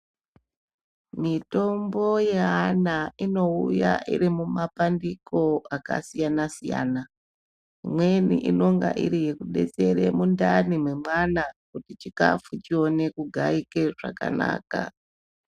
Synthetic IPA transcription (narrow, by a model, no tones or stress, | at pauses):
mito̞mbo̞je̞ɦanaino̞uja̰ʔḭɾimumapandiko̞aka̰sijanasija̰ːna | imwe̞nḭʔino̞ŋɡa̰ʔiɾije̞kuɗe̞̰t͡se̞ɾe̞mundanimwe̞mwanakutit͡ʃika̰fut͡ʃio̞ne̞kuɡʱaike̞ʐa̰ka̰na̰ːka̰